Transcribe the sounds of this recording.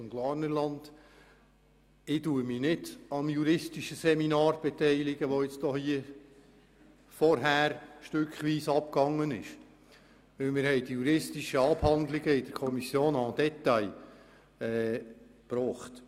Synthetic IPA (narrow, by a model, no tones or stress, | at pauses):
mɡ̥lɑːrnəɾlɑnd̥̪ | ɪduːəminɪdɑmjuɾɪstiʃəsɛminɑːɾb̥ɛt̪ɛɪlɪɡəʋoɪt͡stɔhiə | fɔɾɦæːɾʃtʏkχʋiːsɑp̚kɑŋːənɪʃ | ʋɵlmɪːɾhɛɪd̥ijuɾɪstiʃəɑbhɑnd̪lɪɡəɪdəɾkʰɔmisjoːnɑd̥̪ɛt̪ːɑɪ | ɛː | pɾɔːχt